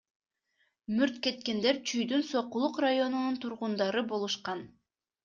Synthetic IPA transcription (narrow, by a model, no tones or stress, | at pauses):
myɾt̪ke̞t̪̚ke̞nd̪e̞ɾt͡ʃʰyjd̪ynso̞qulˠuqrajo̞nununt̪ʰuɾʁund̪ɑɾɯbo̞lˠuʃqɑn